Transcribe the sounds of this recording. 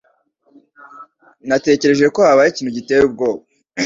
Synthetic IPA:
nate̞ːce̞ɾe̞ʒekohaβajiciːn̥uɟiteɾub̚ɡo̞ːβa

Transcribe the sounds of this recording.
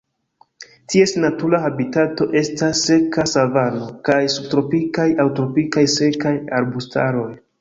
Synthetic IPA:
tie̞snatuɾahabitato̞ʔe̞stasːe̞kasavano̞kajsub̚tɾo̞pikajawtɾo̞pikajse̞kajaɾbusta̰ɾo̞j

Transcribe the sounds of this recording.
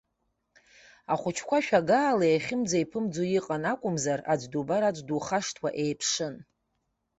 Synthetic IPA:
aχʷʊt͡ʃʰkʷʰaʃᶣaɡaːlaeχʲɪmd͡zajpʰɨmd͡zojiqʼanakʷʼʊmzarad͡ʒʷdubaɾad͡ʒʷduχaʂtʰwaʔejpʰʂɨn

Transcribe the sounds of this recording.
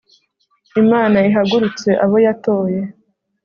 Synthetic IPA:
imaːnaiɦaɡuɾut͡se̞ʔaβo̞jatoːje̞

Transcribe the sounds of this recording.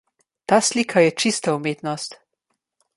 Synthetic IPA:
t̪aːsliːkʰajɛt͡ʃist̪aumeːt̪nɔst̪

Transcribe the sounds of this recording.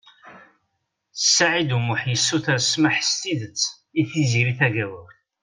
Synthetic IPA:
θəsːaʕid̪umʊħjəsːuθaɾsmaħst̪iðət͡sː | iθiziɾiθæʝæwəɾ

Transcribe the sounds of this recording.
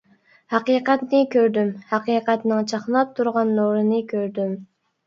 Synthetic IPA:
hæqiːqæt̪nɪkʲøɾd̪ymhæqiːqæt̪nɪŋt͡ʃʰɑχnɑp̚t̪ʰːuɾʁɑnːoɾɨnɨkʲʰøɾd̪ym

